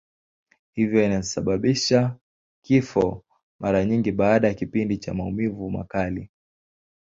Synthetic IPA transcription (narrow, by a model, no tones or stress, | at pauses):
hivjɔinasaɓaɓiʃa | kifɔ | mʔaɾaɲiŋɡiɓaːɗajakipindit͡ʃa̰maumivuma̰kali